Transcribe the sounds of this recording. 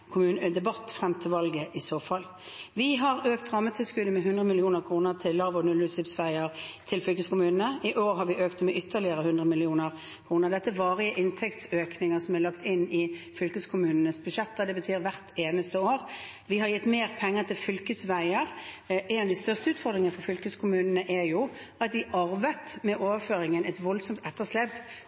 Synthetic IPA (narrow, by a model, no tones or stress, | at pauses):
kʰʊmʉːnəd̪ɛbɑt̪ːfɾɛmt̪ʰɪlʋɑlɡəʔɪsoːfɑlː | ʋɪɦɑɾøːkt̪ʁɑmːət̪ʰɪlskʉd̪əmɛɦʉnd̪ʁəmɪlɪuːnəʁkʰʁuːnəʁt̪ʰɪlːɑʋɔnʉlʉsɪpsʋæɪəʁt̪ʰɪlfʏlkəskʊmʉːnənəʔɪʔoːʁɦɑɾʋɪʔøːkt̪mɛʔʏt̪ʰːəʁlɪəʁəhʉnd̪ʁəmɪlɪuːnəʁ | kʰʁuːnəʁd̪ɛt̪ːəʋɑːʁɪəʔɪnt̪ʰɛkt̪søːknɪŋəsɔmælɑkt̪ɪnːɪfʏlkəskʰʊmʉːnənəsbʉʃɛt̪ːəd̪ɛbət̪ʰyːɾʋæʁt̪ʰeːnəst̪əoːʁ | ʋɪɦɑɾjɛt̪ːmeːʁpʰɛŋːət̪ʰɪlfʏlkəsʋæɪəɾʔɛɪnɑʋd̪ɪst̪œʁst̪əʉːt̪fɔʁd̪ʁɪŋənəfɔɾfʏlkəskʰʊmʉːnənəʔɛɾjʊɑt̪d̪ɪʔɑʁʋət̪mɛʔoːʋəføːɾɪŋənɛɪt̪ʋɔlsɔmt̪ɛt̪ːəʂlɛpː